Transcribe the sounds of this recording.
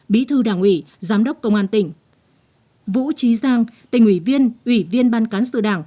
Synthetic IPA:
ɓḭ˨˦t̪ʰɨ˧ɗaː˧˩ŋʔwḭ˧˩ | zaː˨˦mɗə˦˥wk͡p̚kːə˧wŋ͡mʔaː˧nt̪ï˧˩ŋ̟ | vṵ˧˥t͡ɕi˨˦zaː˧ŋt̪ï˧˩ŋ̟ʔwi˧˩vi˧ənʔwi˧˩vi˧ənɓaː˧nkaː˨˦nsɨ̰˧˨ɗaː˧˩ŋ

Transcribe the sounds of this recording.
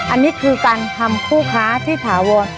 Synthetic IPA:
ʔa˧nːiː˦˥kʰɯː˧kaː˧nt̪ʰa˧mkʰuː˥˩kʰaː˦˥t̪ʰiː˥˩t̪ʰaː˩˦wɔː˧n

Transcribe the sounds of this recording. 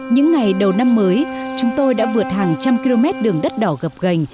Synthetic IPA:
ɲɨ̰˧˥ŋːa˨˩jɗə˨˩wna˧mːəː˨˦jt͡ɕʊ˨˦ŋ͡mt̪o˧jɗa̰ː˧˥vɨ˨˩ət̚haː˨˩ŋt͡ɕa˧mki˧lo˧mɛ˦˥t̚ɗɨ˨˩əŋɗə˦˥t̚ɗɔ˧˩ɣə˨˩p̚ɣə˨˩jŋ̟

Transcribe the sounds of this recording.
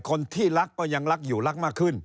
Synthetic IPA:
kɔː˧nt̪ʰiː˥˩la˦˥k̚ːɔː˧˩ɲa˧ŋla˦˥k̚juː˨˩la˦˥k̚maː˥˩kʰːɯ˧˩n

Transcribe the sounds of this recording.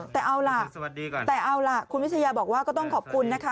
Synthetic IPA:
t̪ɛː˨˩ʔa˧wla˨˩ʔt̪ɛː˨˩ʔa˧wla˨˩kʰu˧nwi˦˥a˧jaː˧bɔː˨˩k̚waː˥˩kɔː˥˩t̪ɔ˥˩ŋkʰɔː˨˩p̚kʰu˧nːa˦˥kʰa˦˥

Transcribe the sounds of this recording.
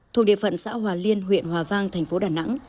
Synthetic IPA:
t̪ʰu˨˩k̚ɗi˧˨əfə̰˧˨nsa̰ː˧˥hwaː˨˩li˧ənɦwḭ˧˨ənhwaː˨˩vaː˧ŋt̪ʰɛ˨˩jŋ̟fo˨˦ɗaː˨˩na̰˧˥ŋ

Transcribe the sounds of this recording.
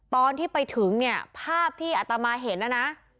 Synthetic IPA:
t̪ɔː˧nt̪ʰiː˥˩pa˧jt̪ʰɯ˩˦ŋni˥˩ɐpʰaː˥˩p̚t̪ʰiː˥˩ʔa˨˩t̪a˧maː˧ɦe˩˦n̚na˦˥na˦˥

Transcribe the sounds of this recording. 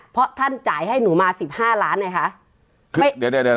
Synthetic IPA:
pʰɾɔ˦˥t̪ʰa˥˩nt͡ɕaː˨˩˦jɦa˥˩jnuː˩˦maː˧si˨˩p̚haː˥˩laː˦˥nma˧˥jkʰa˦˥ʔ | kʰːm˥˩ddd

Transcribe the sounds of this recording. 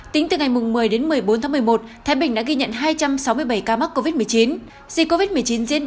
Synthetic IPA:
t̪ï˨˦ŋ̟t̪ɨ˨˩ŋa˨˩jmʊ˨˩ŋ͡mmɨ˨˩əjɗe˨˦nmɨ˨˩əjɓo˨˦nt̪ʰa˨˦m˨˩əjmo˨˩t̚t̪ʰaː˨˦jɓï˩ŋ̟ɗa̰ː˧˥ɣi˧ɲə̰˧˨nɦaː˧jt͡ɕa˧msa˨˦wmɨ˧əjɓə˧˩jkaː˧ma˦˥t̚kːo˧vi˦˥t̚m˨˩əjt͡ɕi˨˦n | zi˧ko˧vi˦˥t̚m˨˩əjt͡ɕi˨˦nzḭ˧˥ən

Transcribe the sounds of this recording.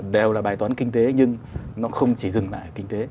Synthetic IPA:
ɗe˨˩wlaː˨˩ɓaː˨˩jt̪wːnkï˧ŋ̟t̪e˨˦ɲɨ˧ŋnɔ˨˦xə˧wŋ͡mt͡ɕi˧˩zɨ˨˩ŋla̰ː˧˨jʔəː˨˩kï˧ŋ̟t̪e˨˦

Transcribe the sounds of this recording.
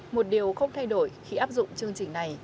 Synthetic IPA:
mo˨˩t̚ɗi˨˩əwxə˧wŋ͡mt̪ʰa˧jɗo˧˩jxi˧ʔaː˦˥p̚zʊ̰˧˨ŋ͡mt͡ɕɨ˧əŋt͡ɕï˨˩ŋ̟na˨˩j

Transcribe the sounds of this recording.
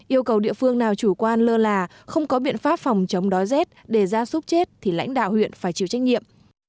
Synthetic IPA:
ʔi˧əwkə˨˩wɗḭ˧˨əfɨ˧əŋnaː˨˩wt͡ɕu˧˩kwaː˧nləː˧laː˨˩ | xə˧wŋ͡mkɔ˨˦ɓḭ˧˨ənfaː˦˥p̚fɔ˨˩wŋ͡mt͡ɕə˨˦wŋ͡mɗɔ˨˦jzɛ˦˥t̚ɗe˧˩zaː˧sʊ˦˥p̚t͡ɕe˦˥t̚t̪ʰi˨˩la̰˧˥jŋ̟ɗa̰ː˧˨whwḭ˧˨ənfaː˧˩jt͡ɕi˧˩˨wt͡ɕa˦˥jŋ̚ɲḭ˧˨əm

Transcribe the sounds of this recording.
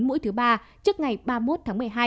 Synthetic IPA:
nmṵ˧˥jt̪ɨ˨˦ɓaː˧ | t͡ɕɨ˦˥ək̚ŋa˨˩jɓaː˧mo˦˥t̚t̪ʰaː˨˦ŋmɨ˨˩əjɦaː˧

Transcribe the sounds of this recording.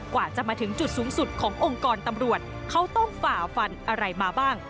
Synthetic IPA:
kwaː˨˩t͡ɕa˨˩maː˧t̪ʰɯ˩˦ŋt͡ɕu˨˩t̪̚suː˩˦ŋsu˨˩t̪̚kʰɔː˩˦ŋʔo˧ŋkɔː˧nt̪a˧mɾu˨˩ət̪̚kʰa˦˥wt̪ɔ˥˩ŋfaː˨˩fa˧nʔa˧ɾa˧jmaː˧baː˥˩ŋ

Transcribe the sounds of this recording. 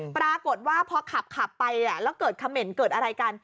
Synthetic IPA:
pɾaː˧ko˨˩t̪̚waː˥˩pʰɔ˧kʰa˨˩p̚kʰa˨˩pːa˧ja˨˩lɛː˦˥wkɤː˨˩t̪̚kʰa˧mːe˨˩nkɤː˨˩t̪̚ʔa˧ɾa˧jka˧n

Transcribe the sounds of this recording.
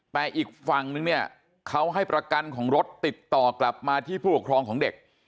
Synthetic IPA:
t̪ɛː˨˩ʔiː˨˩k̚fa˨˩ŋnɯ˧ŋni˥˩ɐ | kʰa˦˥wɦa˥˩jpɾa˧ka˧nkʰɔː˩˦ŋɾo˦˥t̪ːi˨˩t̪ːɔː˨˩kla˨˩p̚maː˧t̪ʰiː˥˩pʰuː˥˩u˨˩kʰɾɔː˧ŋkʰɔː˩˦ŋde˨˩k̚

